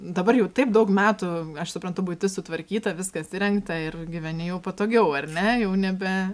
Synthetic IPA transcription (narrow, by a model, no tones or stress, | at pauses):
d̪ɐbɐrjɛʊt̪ɐɪpd̪ɐʊkmʲæːt̪ʊɐʃsʊpɾɐnt̪ʊbut̪ʲɪsʊt̪ʋɐɾʲkʲiːt̪ɐʋʲɪskɐsʲɪɾʲɛŋkt̪ɐɪrɡʲɪʋʲɛnʲɪjɛʊpot̪oːɡʲɛʊɐrʲnʲɛjɛʊnʲɛbʲɛ